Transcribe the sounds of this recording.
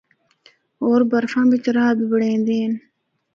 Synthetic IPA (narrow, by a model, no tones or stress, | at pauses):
oːɾbɐɾfãːbit͡ʃɾaːbibəɽẽːnd̪eːn